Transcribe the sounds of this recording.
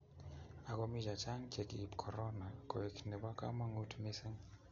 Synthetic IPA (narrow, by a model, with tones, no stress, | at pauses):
a˨kɔ˦mi˦d͡ʒa˨t͡ʃa˦ŋt͡ʃɛ˨ki˨pkʰɔ˨ɾɔ˦na˨kɔ˨e˨knɛ˨ba˦ka̰˦ma˦ŋu˦tmi˦sɪ˦ŋ